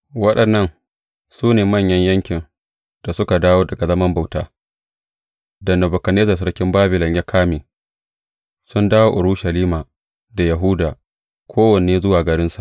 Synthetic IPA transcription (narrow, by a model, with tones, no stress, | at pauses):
wɐ˦ɗɐ˨nːɐ˦n | suː˦neː˨mɐ˦˨ɲjɐ˦ɲjɐ˦ŋkʲɪ˨n | d̥a˨sʊ˦ka˨daː˦woː˦dɐ˨ɡa˨zɐ˦mɐ˦mba˨wtaː˦ | dɐ˨nːa˨bʊ˨kɐ˨neː˦zɐ˨s̬ɐ˦ɽkʲɪ˦mbaː˦bɪ˨lɔ˨ɲja˦kʰaː˦miː˨ | sʊ˦ndaː˦woː˦ʔʊ˨ɽʊ˦ʃɐ˨liː˦maː˨ | da˨ja˨ɦʊː˦daː˨ | kʰʷoː˦wɐ˨neː˦zʊ˦waː˨ɡɐ˨ɾɪ˦nsa˨ʔ